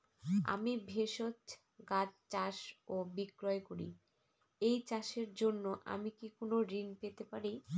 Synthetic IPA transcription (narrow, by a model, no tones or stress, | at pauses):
a̰mibʱeʃot͡ɕ | ɡat͡ɕt͡ɕaʃobikɾɔekoɾḭ | ejt͡ɕaʃeɾd͡ʑonːoʔa̰mikikonoɾinpet̪epaɾi